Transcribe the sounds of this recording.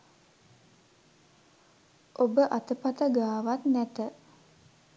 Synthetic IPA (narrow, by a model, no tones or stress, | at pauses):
ʔobəʔat̪əpat̪əɡaːʋat̪næt̪ə